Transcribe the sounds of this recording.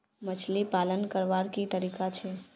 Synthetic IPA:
mət͡ʃʰlipalənkəɾʋaɾkit̪əɾiːkat͡ʃʰɛ

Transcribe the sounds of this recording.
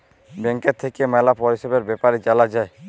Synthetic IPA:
bɛŋkeɾt̪ʰekemɛlapɔɾɦiʃebeɾbɛpaɾit͡ʃalad͡ʒae

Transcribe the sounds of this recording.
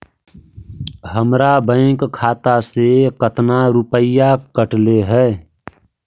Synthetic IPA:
ɦəmɾabə̃ɪ̃kkʰːaːt̪asekət̪naɾupəjakəʈleɦɛː

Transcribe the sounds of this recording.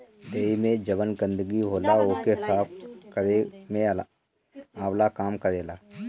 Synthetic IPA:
d̪eːimẽd͡ʒəʋənɡə̃nd̪əɡiɦoːlaoːkeɦɪsaːp̚ʰkəɾemẽ | aːwlakaːmkəɾeːlaː

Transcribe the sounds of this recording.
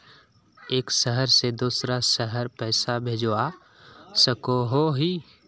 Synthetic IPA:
eːkʃəɦəɾsed̪uːsɾaʃəɦəɾpɛːsabʱed͡ʒa | səkoɦoɦi

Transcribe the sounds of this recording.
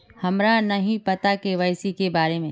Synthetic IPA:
hɐmɾanɐɦĩpɐt̪akeʋɐjsikebaːɾemẽ

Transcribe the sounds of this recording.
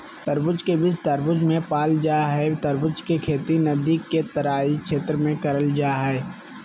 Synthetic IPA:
t̪əɾbʊt͡ʃkebɪt͡ʃt̪əɾbʊd͡ʒmẽpaːld͡ʒaːɦɛt̪əɾbʊd͡ʒkekʰeːt̪inɐd̪iːkːet̪əɾaːikʃʰeːt̪ɾəmẽkɐɾəld͡ʒaːɦɛː

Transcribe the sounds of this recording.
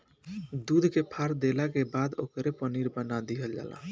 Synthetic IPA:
d̪ud̪ʱkepʰaɾd̪elakebad̪okɾepəniɾbənad̪iɦəld͡ʒa̰la̰

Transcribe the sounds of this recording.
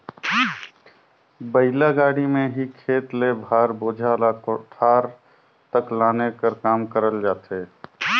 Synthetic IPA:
bəɪlaɡaːɽimẽɦikʰeːt̪lebʱaːɾboːd͡ʒʱalakʈʰaːɾ | t̪əklaːnekəɾkaːmkəɾəld͡ʒaːt̪eː

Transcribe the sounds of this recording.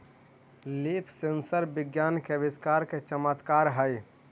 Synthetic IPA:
lipʰsensəɾbɪɡjankeʋɪskaɾket͡ʃəmət̪kaɾɦəj

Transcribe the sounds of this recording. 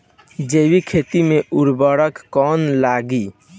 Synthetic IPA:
d͡ʒeːʋikʰet̪imeʔuɾbəɽəkːɔːnlaɡi

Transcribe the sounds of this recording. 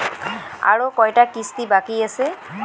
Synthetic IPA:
a̰ɹokɔjtakist̪ibakiasɛ

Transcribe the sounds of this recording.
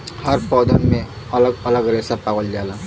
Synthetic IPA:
həɾpɔːd̪ənmẽ | ɐləɡələɡɾesapaɡəld͡ʒaːla

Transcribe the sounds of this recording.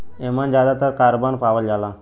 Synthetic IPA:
emənd͡ʑad̪at̪əɾkaɾbənpaʋəld͡ʒala

